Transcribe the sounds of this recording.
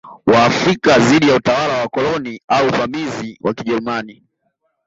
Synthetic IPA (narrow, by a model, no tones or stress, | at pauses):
waːfɾikaðiɗijautawalawakɔlɔniauvamiziwʔakiʄɛɾumani